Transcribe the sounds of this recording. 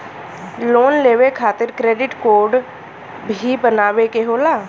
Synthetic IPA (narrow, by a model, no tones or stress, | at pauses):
loːnleːʋekʰaːt̪ɪɾkɾeːɖɪʈkoːɾɖ | bʱibənaːʋekeɦoːlaː